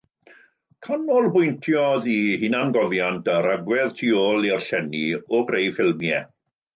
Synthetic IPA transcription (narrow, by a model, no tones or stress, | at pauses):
kʰanɔlˠbʊjntʰjɔðihɪnanɡɔvjantəɾaɡwɛðtʰioːlˠɪrɬɛnioɡrejfɪlˠmjɛ